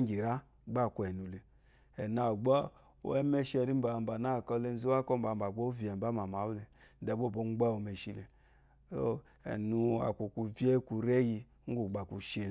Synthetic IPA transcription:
ɡi˨ɾa˦ | ɡ͡ba˦˨ku˧˨ɛ˨nu˨le˨ | ɛ˨na˨ɡ͡bɔ˦ | o̰˦ɛ˦mɛ˦ʃɛ˧ɾi˦m̩˦ba˨m̩˨ba˨na˦˨kɔ˧le˧n˦zi˦a˦kɔ˦m̩˦ba˧˨m̩˨ba˨ɡ͡bɔ˦vi˨ɛ˨ba˦ma˨ma˨˦wu˦le˨˦dɛ˨bo˦˨bo˧˨˦ɡ͡ba˦o˧˨me˨ʃi˧lḛ˨ | o˦ | ɛ̰˨nu˧a̰˨kʷu˨ku˧vi˦e˦ku˧ɾɛ˦ji˧˦ŋ̩˦ɡu˨ɡ͡ba˨ku˧ʃe˨

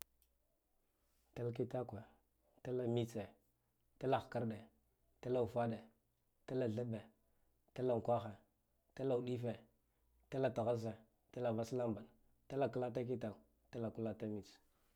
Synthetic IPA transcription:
ta˦lk̬i˦ta˦kʷe˨ | ta˦la˨mi˦t͡se˨ | ta˦la˨xka˦ɾɗe˨ | ta˦la˦˨u˨fa˦ɗe˨ | ta˦la˨ɮa˦be˨ | ta˦la˨ŋ˨kʷa˦xe˨ | ta˦la˨u˨ɗi˦fe˨ | ta˦la˨ta˨ɣa˦z̬e˨ | ta˦la˨va˦sla˦mba˨n | ta˦la˦˨ka˦la˦t̬a˦ki˦ta˨u˨ | ta˦la˨ku˦la˦ta˦mi˨t͡s

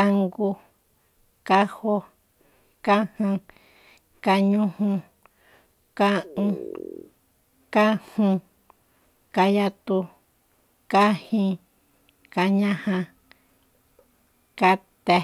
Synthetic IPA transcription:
a˧ŋɡu˧ | ka˦ho˦ | ka˦hã˧ | ka˧ɲũ˦hũ˧ | ka˦ʔũ˧ | ka˦hũ˧ | ka˧ja˧t̪u˧ | ka˦hĩ˧ | ka˧ɲã˦hã˧ | ka˧t̪e˧

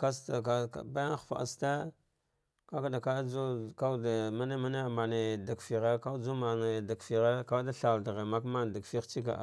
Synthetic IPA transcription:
ka˦sta˨ka˨a̰˨ba˦xfa̰˨ʔa̰˨sta˦ | ka˦ka˦da˨ka˦a˦d͡ʒu˦ka˦da˨ma˦ne˦ma˦ne˦˨ma˨ne˨da˨kfi˨ɣa˦ka˦d͡ʒu˦ma˨ne˨da˨kfi˨ɣa˦ka˦da˦ɬa˨da˨ɣe˨ma˦kma˦n˨da˨kfi˦xt͡ʃi˦ka̰˨

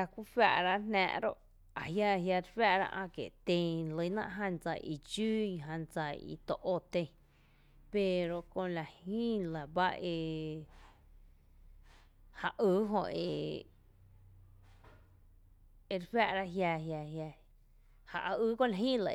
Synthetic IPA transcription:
a˧kʷi˦fa̰˧˨ʔɾa˦nnɛ̰̃ː˧ʔɾo̰˦ʔ | a˨ɦja˧ɦja˧ɾfa˦ʔɾa̰˦˧ʔã̰˧kḛ˨ʔt̪ẽ˧lə˧˦nã̰˧ʔɦã˧˨nd͡za˧ʔḭ˨t͡ʃuː˦i˧ɦã˧nt͡sa˧˨ḭ˨t̪o˧ʔo˧˨t̪ẽ˧ | pe˨ɾo˧kõ˧la˨hĩː˦la˨ba˦e˧ | ha˧ʔɨː˦ɦõ̰˧ḛ˨ | e˧˨ɾfja˦˨ʔɾa˦ʔɦja˧ɦja˧ɦja˧ | ha˨ʔa˧ɨː˦kõ˧˨la˧˨ɦĩː˦la̰˧˨

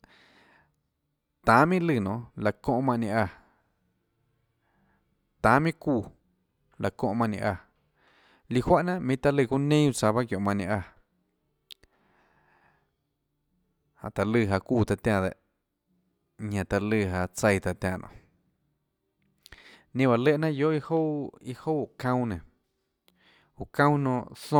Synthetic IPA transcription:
t̪ãː˨˦mĩ˦lɨ˧˨nõ˧˨la˧kõ˧ʔmã˧ʔnẽ˧ʔa˧˨ | t̪ãː˨˦mĩ˦kuː˧˨ | la˧˨kõ˧ʔmã˧˨nḭ̃˧ʔa˧ | li˧hwa˦ʔnã˧ʔmĩ˧t̪a˧lɨ˧˨ku˧nẽ˦u˧t͡sa˧βa˦kjõ˨mã˧˨nĩ˧ʔa˧ | hã̰˨ʔt̪a˧lɨ˧˨ɦa˧kuː˧˨t̪a˧t̪ʲã˧˨d̪ḛ˨ʔ | ɲã˧˨t̪a˧lɨ˧˨ɦa˧t͡sə˧jt̪a˧t̪ʲã˧˨nʔõ̰˧˨ | nĩ˧ba˨le˦ʔnã˦jo˦ʔi˦ho˦i˧ho˦˨kã˦w̃nẽ˨ | u˨kã˦w̃nõ˧˨ʔθõ˧

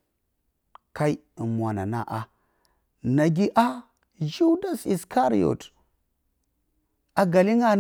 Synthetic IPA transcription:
ka˦i˦˨mwa˨na̰˨na̰˦ʔa˨ | na˨ɡi˦ʔa˦ | d͡ʒu˦da˦si˨ska˦ɾḭ˦˨o̰˨t | a˨ɡa˨li˦ŋa˦

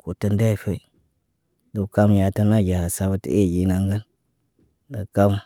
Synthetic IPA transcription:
ko˨tə˦nda˦i˨fe˦ | du˨ka˦m˨ja˨ta˦na˦˨ɡʲa˨ha˨sa˦bə˦tə̰˨e˦˨ɡi˨na˨ŋɡə˦n | də˨ka˦m

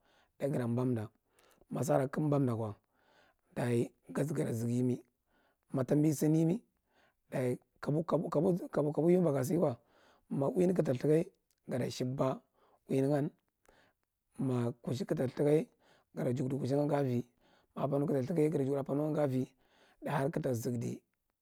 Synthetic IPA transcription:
d̥a˨i˦ɡi˨ɾa˨m˨ba˦mda˨ | ma˨s̬a˦ɾa˨ki˦m˦ba˦mda˨kwa˨ | da˨i˨ | ɡa˦s̬ɡa˨ɾa˨zi˨ɡi˦mi˦ | ma˨ta˦mbi˦si˦ni˦mi˦ | da˨i˨ | u˦˨˦ku˦a˨˦ka˨bu˦ju˦ba˨ɡa˨s̬i˦wʷa˨ | ma˨wi˦ni˦k̬i˦ta˨ɬi˦ka˦i˦ | ɡa˨da˨ʃi˦ba˦ | wi˦ni˦ŋa˦n | ma˨ku˨ʃ̬i˦ki˦ta˨ɬi˦ka˦i˦ | ɡa˨ɾa˨d͡ʒu˨kdi˨ku˨ʃ̬i˦ŋa˦ɡa˦vi˨ | ma˨pa˨nu˦ki˦ta˨ɬi˦ka˦i˦ɡa˨ɾd͡ʒu˨ɡa˨pa˨nu˦ŋa˦ɡa˦vi˨ | da˨ha˦ɾki˦ta˨zi˨ɡdḭ˨

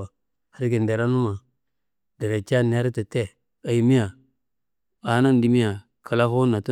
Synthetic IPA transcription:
a˨ | ha˦ɾɡi˨n˨de˨ɾa˦nu˦ma˨ | da˨ɾe˨t͡ʃa˦n˨a˦ɾta˨te˦ | a˨ji˨mi˦ja˨ | a˨˦na˦n˦di˨mi˦ja˨ | kʰa˨la˦xo˦na˨ta˦

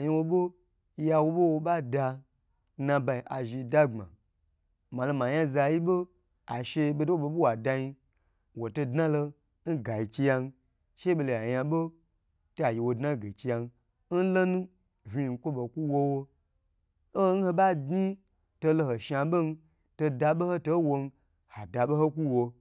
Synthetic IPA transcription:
ji˧wo˧bo˦ | ja˧wo˧ɓo˦wo˧ɓa˦da˧˦ | nã˧ba˧i˨ʔa˨ʒi˧da˦ŋ͡ma̰˨ | ma˨lo˧ma˨ja˦za˧ji˦bo˦ | a̰˨ʃe˧˦be˧do˦wo˦˨bo˧bo˦wa˨da˧ji˧ | wo˨to˧dnã˦lo˧ | n̩˦ɡa˨i˨ki˧ja˧n˦ | ʃe˦ɓo˧lo˨a˨ja˧ɓo˦ | to˦a˨ji˧wo˧dna˦˨ɡe˨ki˧ja˧n˧˦ | n̩˦lo˦nũ˦ | vʲi˧˨n˨kʷo˦bo˨kʷu˦wo˧˦wo˧˦ | ho˦n̩˦ho˧ba˦di˦ | to˧lo˧ho˨ʃa˧ɓo˦n̩˦ | to˧da˧ɓo˦ho˦to˦wo˧n˦ | ha˨da˨ɓo˦ho˦kʷu˦wo˧

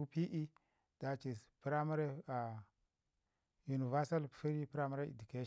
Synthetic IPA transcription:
u˦pi˦ʔi˦ | d̥a˨t͡ʃi˨pi˦ɾa˦mu˦ɾe˦a˨ | ju˨ni˨va˦sa˦lfi˦ɾi˦pi˦ɾa˦ma˦ɾa˦ḭ˨du˨ke˦ʃ

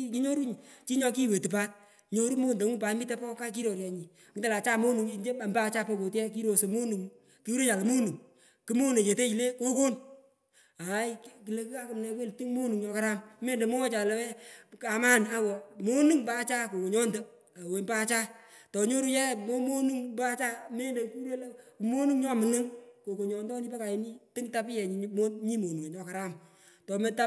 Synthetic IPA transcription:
ki˦ɲo˦ɾu˦ɲ˨t͡ʃi˦ɲɔ˧k̬i˦˨we˨tu˨p̬a˦t̚ | ɲo˦ɾu˦mo˦nde˨ŋu˦pa˨˦mi˦te˦pɔ˦ka˦k̬i˦ɾo˨ɾjɛ˨ɲi˨ | ki˦te˨la˨t͡ʃa˦mo˦nu˨ŋi˨ɲd͡ʒe˦a˨mba˦˧t͡ʃa˦pɔ˧ko˨tjɛ˦k̬i˦ɾo˨se˨mo˦nu˨ŋ˦ | ki˦wu˦ɾe˦t͡ʃa˨la˨mo˦nu˨ŋ | ki˦mo˦ne˨t͡ʃe˨te˦i˨le˦ko˦ko˦n | a˨˦jki˨le˦ka˦kɨ˨mnɛ˧we˦lti˦ŋmo˦nu˨ŋɲɔ˧ka˦ɾa˦mme˦nde˨mo˦t͡ʃa˨lɛ˦ɛ˦ka˨ma˦na˦wɔ˨mo˦nɨ˦ŋpa˦t͡ʃa˦ko˨ko˨ɲɔ˦nte˦ | a˨we˨nba˦t͡ʃa˦tɔ˨ɲo˦ɾu˦jɛ˦mo˦mo˦nu˦ŋba˦t͡ʃa˦me˦nde˨ku˦ɾe˦lkmo˦nu˦ŋɲɔ˦mɨ˨nɨ˦ŋko˨ko˨ɲɔ˨ndɔ˦ni˦pɛ˦ka˨ji˨ni˦tɪ˦ŋta˦pɪ˦jɛ˨ɲ˨mo˦nɲi˦mo˨nu˨ŋe˨ɲɔ˨˦ka˨ɾa˦m | tɔ˨me˦ta˦

